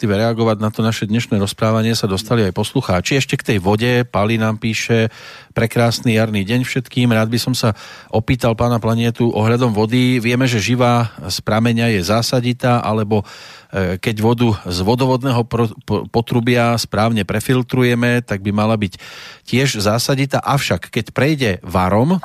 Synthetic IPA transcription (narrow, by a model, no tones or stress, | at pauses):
t̪iʋɛɾɛaɡɔʋaɟnat̪ɔnaʃɛd̪ɲɛʃnɛːɾɔspɾaːʋaɲɪɛsad̪ɔst̪aliajpɔsluxaːt͡ʃiɛʃcɛkt̪ɛjʋɔɟɛpalinaːmpiːʃɛ | pɾɛkɾaːsnijaɾniːɟɛɲfʃɛt̪kiːmɾaːd̪̚bisɔmsaʔɔpiːt̪alpaːnaplaɲɪɛt̪uʔɔɦʎad̪ɔmʋɔd̪iʋɪɛmɛʒɛʒiʋaːspɾamɛɲajɛzaːsaɟit̪aːʔa̰lɛbɔ | kɛɟʋɔd̪uzʋɔd̪ɔʋɔd̪nɛːɦɔpɔt̪ɾubɪaspɾaːʊɲɛpɾɛfilt̪ɾujɛmɛt̪aɡ̚bimalabiccɪɛʒzaːsaɟit̪a̰ːʔafʃakːɛcpɾɛjɟɛʋaɾɔm